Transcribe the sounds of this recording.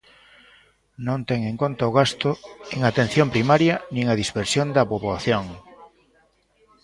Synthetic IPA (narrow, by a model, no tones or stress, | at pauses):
nõnt̪ɛŋẽŋkont̪aʊɣ̞ast̪ʊeŋat̪ẽn̟θjõmpɾimaɾjɐnĩŋɐðispeɾsjond̪ɐpoβaθjoŋ